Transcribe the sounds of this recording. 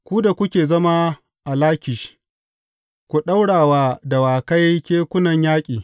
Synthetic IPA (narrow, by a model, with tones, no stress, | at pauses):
kʷu˦da˨kʷʊ˦kʲeː˨zɐ˦ma˦ | ʔa˨laː˦kʲɪ˨ʃ | kʷu˨ɗa˦wɽaː˨waː˦da˨waː˨ka˦jkʲeː˦kʷʊ˦nɐ˨ɲjaː˦kʲʼiː˨